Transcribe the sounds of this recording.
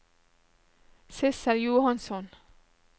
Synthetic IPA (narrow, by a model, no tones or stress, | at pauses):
sɪsəɾjuːhɑnsɔn